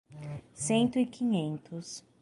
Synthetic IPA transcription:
sẽnt̪ʊikʰĩɲẽnt̪ʰʊs

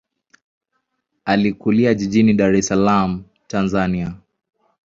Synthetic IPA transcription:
alikuliaʄiʄiniɗaɾɛsalam̩ | tanzania

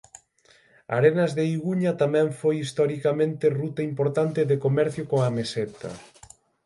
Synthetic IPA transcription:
a̰ɾenɐzðeiɣuɲɐt̪amɛ̃ɱfojist̪ɔɾikamẽnt̪erut̪ɐimpoɾt̪ant̪eðekomɛɾθjokoŋamesɛt̪ɐ̰

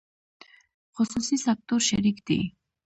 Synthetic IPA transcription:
χɔsusisak̚t̪ʼɔɾʃɛɾikd̪ḭ

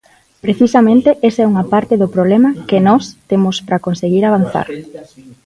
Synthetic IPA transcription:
pɾeθisamẽnt̪eʔesɛuŋapaɾt̪ɪðʊpɾoβlɛmɐkenɔst̪emʊspɾakonseɣiɾaβ̞an̟θa̰ɾ

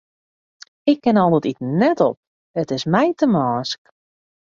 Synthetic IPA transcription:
ɪkːɪnɔlˠdətitnɛtɔ̰p̚ | ətɪsmɛjtʰəmɔːsk

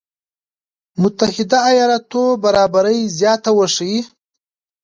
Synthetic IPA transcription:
mʊt̪ahɪd̪aːjɑɾɑt̪obaɾɑbaɾəjzjɑːt̪awəʂi

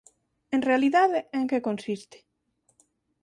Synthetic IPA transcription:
ẽnrealiðaðeeŋkekonsist̪e̥

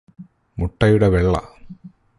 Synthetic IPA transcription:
muʈːɐjuɽeʋeɭːɐ̰

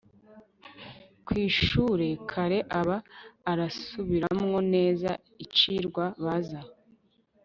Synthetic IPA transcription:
kwiːʃuɾe̞kʰaɾe̞ʔaβaːɾasuβiɾamŋo̞ne̞ːza̰ | it͡ʃiɾɡwaβaza

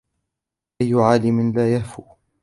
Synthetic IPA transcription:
ʔajːʊʕaːlɪmɪnlaːjahfuː

